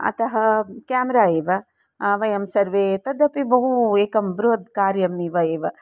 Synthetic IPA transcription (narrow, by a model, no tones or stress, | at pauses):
ɐ̰t̪ɐɦɐkaːmɐɾaːeːʋɐ | ʋɐjɐmsɐɾʋeːt̪ɐd̪ɐpibɐɦueːkɐmbɾoːd̪kaːɾjɐmːiʋɐeːʋɐ